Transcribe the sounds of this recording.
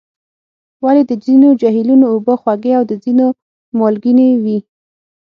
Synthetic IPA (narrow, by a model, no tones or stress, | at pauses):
waled̪əd͡zinod͡ʒaɦilunoːbəxwaɡeawd̪əzino | mɑlɡinewi